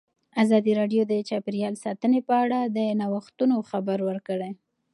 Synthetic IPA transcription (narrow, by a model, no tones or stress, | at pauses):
azɑd̪iɾɑɖjod̪ət͡ʃɑpɪɾjɑlsɑt̪ənepəaɽad̪ənawaxt̪unoxabaɾwəɾkəɽe